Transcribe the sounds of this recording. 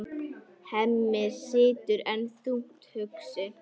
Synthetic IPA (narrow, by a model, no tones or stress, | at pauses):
hɛmːɪsɪːt̪ʏɾɛnθuŋ̥t̪hʏksɪ